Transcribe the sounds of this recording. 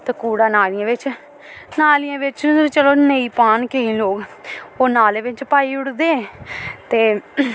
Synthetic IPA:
t̪ekuːɽaːnaːlijãːʋɪt͡ʃ | naːlijãːʋɪt͡ʃəɾt͡ʃəloːnəiːpaːnkeĩːloːɡoːnaːleːʋɪt͡ʃpaːiːʊɽd̪eːɛ̃t̪eː

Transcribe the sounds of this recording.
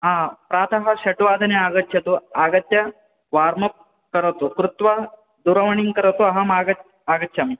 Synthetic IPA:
ɦãpɾaːt̪ʰɐɦɐɕɐʈʋaːd̪ʱɐneaɡətːɕjɐt̪oaɡɐt̪ja | ʋaɾmɐk̚ | kəɾt̪okɾut̪ʋa | d̪uɾɐʋɳ̃iŋkəɾɐt̪oaɦamaɡɐ | aɡətːɕʰami

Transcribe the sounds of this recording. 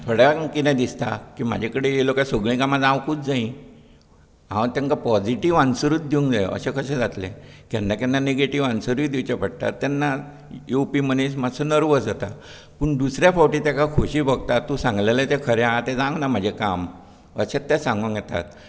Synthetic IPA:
t̪ʰoɽjakit̪ãd̪ist̪a̰kiːma̰d͡ʑʱakəɽeelokasəɡɭĩkamad͡zãwkuːt͡sd͡zaĩ | ã̰t̪jãŋkapɔd͡ʑiʈiʋãnsəɾuːt̪̚d̪iũŋkd͡zaj̰ə̰ɕẽkʰəɕẽd͡zat̪lḛkɛ̃nd̪akanːaneɡeʈiʋansəɾiːd̪iwt͡ɕapəɽt̪a̰t̪ːjanːa | jupiməneɕmasənəɾʋəd͡zat̪a | pəːɳd̪usɾjafɔwʈiːt̪jakakʰoɕiːbəɡ̚t̪at̪ːũsãŋɡlelet̪ekʰəɾjãt̪ed͡zãŋɡnam̤ad͡ʑʱekam | ə̰ɕet̪ːɛ̃sãŋɡuŋkjɛt̪a̰t̪̚

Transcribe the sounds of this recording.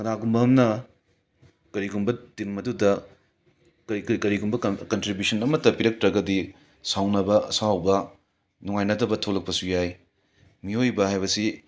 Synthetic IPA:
kɐɾaɡumbɐɦɐmnɐ | kɐɾiɡumbɐdinmɐdudɐ | kɐkkɐɾiɡumbɐkɐntɾibusɐnɐmɐtːɐpiɾɐk̚tɾɐɡɐdi | sawnɐbɐɐsawbɐ | nuŋajnɐdɐbɐtʰolɐk̚pɐsujaj | miojbɐhajβɐsi

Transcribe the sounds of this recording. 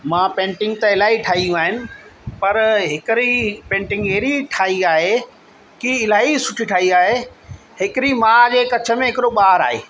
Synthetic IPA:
mãːpẽːɳʈɪ̃ŋɡ̚t̪ɐɪlaːiʈʰaːɦijũaːɦɪnɪ̆pɐɾɦɪkɪɾipẽːɳʈɪ̃ŋɡeːɾiʈʰaːiaːɦe | kiɪlaːisʊʈʰiʈʰaːɦiaːɦe | ɦɪkɾimãd͡ʑekɐt͡ɕʰə̆mẽɦɪkɪɾoɓaːɾa̰ːɦḛː

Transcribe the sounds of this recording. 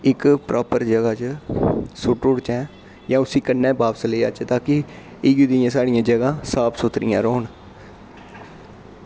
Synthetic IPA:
ɪkpɾʔaːpəɾd͡ʒəɡaːt͡ʃ | sʊʈʊɽt͡ʃɛ̃ː | jãːʊsĩːkənːɛːbaːpsleːə̰t͡ʃt̪aːkɪ | iɡid̪ɪjãːsaːɽɪjãːd͡ʒəɡãːsaːpʰsʊt̪ɾɪjã̰ːɾoːn

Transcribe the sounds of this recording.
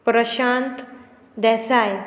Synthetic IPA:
pɾəɕãnt̪ | d̪ɛsaj

